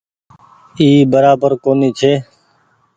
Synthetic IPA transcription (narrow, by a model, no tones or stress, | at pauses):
iːbəɾaːbəɾkoːniːt͡ʃʰeː